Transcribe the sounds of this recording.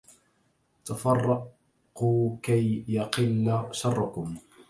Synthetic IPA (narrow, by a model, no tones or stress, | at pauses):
t̪afɑrˤːɑ | quːkajjɑqɪlːaʃɑrˤːʊkʊm